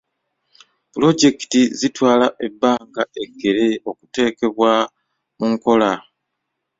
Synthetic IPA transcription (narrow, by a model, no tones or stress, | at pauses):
pulo̞ɟe̞ki̥tizitwaːlaʔe̞bːaːŋɡae̞ɡːe̞ɾe̞o̞ku̥te̞ːke̞βwa | muŋko̞la